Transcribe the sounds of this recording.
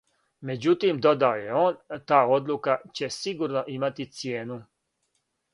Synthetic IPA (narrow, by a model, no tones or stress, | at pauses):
me̞d͡ʑut̪imd̪o̞d̪aoje̞o̞ːnt̪aːo̞d̪lukat͡ɕe̞siɡuɾno̞ʔimat̪it̪sje̞ːnu